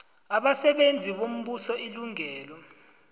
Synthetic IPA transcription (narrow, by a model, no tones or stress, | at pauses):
aɓasɛɓend͡zʱiɓom̩ɓusɔiluŋɛːlɔ